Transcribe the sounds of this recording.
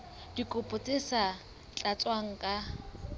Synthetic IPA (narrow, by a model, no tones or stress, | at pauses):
dikʼʊpʼʊt͡sʼɪsa | t͡ɬʼat͡sʼwaŋ̩kʼa